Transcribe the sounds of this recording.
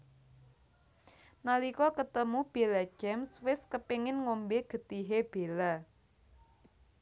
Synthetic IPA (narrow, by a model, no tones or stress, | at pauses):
nalikɔkət̪əmub̥e̤lḁd͡ʒ̥ɛmswɪskəpiŋɪnŋombeɡ̥ə̤t̪iɦeb̥e̤la